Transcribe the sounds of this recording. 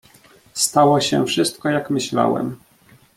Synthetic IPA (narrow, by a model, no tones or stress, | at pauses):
st̪awɔɕɛ̰fʂɘst̪kɔjakmɘɕla̰wɛ̰m